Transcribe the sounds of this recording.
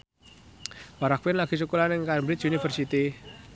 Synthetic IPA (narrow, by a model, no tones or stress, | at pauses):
bwaɾakwɪnlaɡ̥i̤t͡ʃukulanɪŋkambɾit̪junifərsit̪i